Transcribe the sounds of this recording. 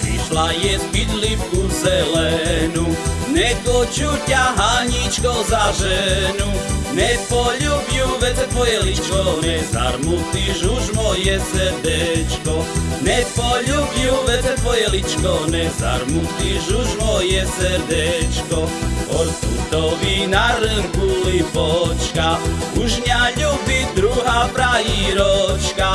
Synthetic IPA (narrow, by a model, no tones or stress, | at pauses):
iʃlajɛzbid̪lifkuzɛlɛnunɛkɔt͡ʃutaɦaɲit͡ʃkɔzaʒɛnunɛpɔʎubjuvɛzɛt̪pɔjɛlit͡ʃkɔnɛza̰ɾmut̪iuʒmɔjɛsɛɾd̪ɛt͡ʃkɔnɛpoʎubjuʋɛt̪ɛpojɛlit͡ʃkonɛza̰ɾmut̪iʒuʒmojɛsəɾd̪ɛt͡ʃkooɾsut̪oʋinaɾəŋkulipot͡ʃkauʒɲaʎubid̪ɾuɦapɾaiɾot͡ʃka